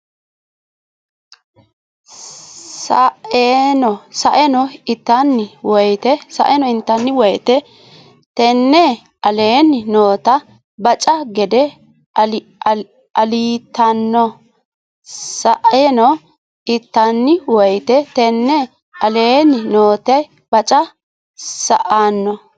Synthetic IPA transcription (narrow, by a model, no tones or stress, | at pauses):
sɐʔenɔsɐʔɛnɔɪt̪ːɐnːɪwɔjt̪ɛsɐ̰ʔɛnɔɪnt̪ːɐnːɪwɔjt̪ɛ | t̪ɛnːɛ | ɐleːnːɪnoːt̪ɐ | bɐt͡ʃʼɐɡɛd̪ɛ | ɐliːt̪ːɐnːɔ | sɐʔɛnɔ | ɪt̪ːɐnːɪwɔjt̪ɛt̪ɛnːɛ | ʔɐleːnːɪnoːt̪ɐj | b̥ɐt͡ʃʼɐ | sɐ̰ʔanːɔ